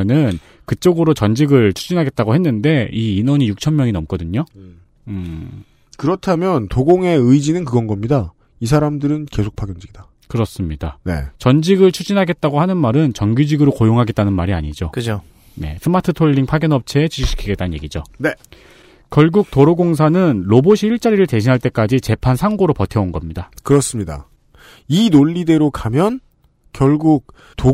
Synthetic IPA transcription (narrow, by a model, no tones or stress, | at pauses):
nɯn | kɯt͡ɕ͈ʌɡɯɾot͡ɕʌnd͡ʑiɡɯɭt͡ɕʰud͡ʑinɦaɡe̞t̚t͈aɡoɦe̞nːɯnde̞iːnʌɲijuk̚t͡ɕʰʌmmjʌŋinʌmk͈ʌdɯɲo | ɯ | kɯɾʌtʰamjʌntoɡoŋe̞ɯid͡ʑinɯnkɯɡʌnɡʌmɲida | is̬ʰaɾamdɯɾɯnke̞sʰok̚pʰaɡjʌnd͡ʑiɡida | kɯɾʌs͈ɯmɲidane̞̰t͡ɕʌnd͡ʑiɡɯɭt͡ɕʰud͡ʑinɦaɡe̞t̚t͈aɡohanɯnmaɾɯnt͡ɕʌŋɡjud͡ʑiɡɯɾokojoŋɦaɡe̞t͈̚anɯnmaɾia̰ɲid͡ʑokɯt͡ɕʰo | ne̞̰sʰɯmatʰɯtʰoʎːiŋpʰaɡjʌnʌp̚t͡ɕʰe̞ːt͡ɕiɕʰiɕʰi̥kʰiɡet͈anɯnɲjḛɡid͡ʑone | kjʌɭɡuk̚toɾoɡoŋs̬ʰanɯnɾoboɕʰiːɭt͡ɕ͈aɾiɾɯɭte̞ɕ̬ʰinɦaɭt͈e̞k͈ad͡ʑit͡ɕe̞pʰansʰaŋɡoɾopʌtʰe̞onɡʌmɲidakɯɾʌs͈ɯmɲida̰ | inoʎːide̞ɾokʰamjʌn | kjʌɭɡuk̚ | to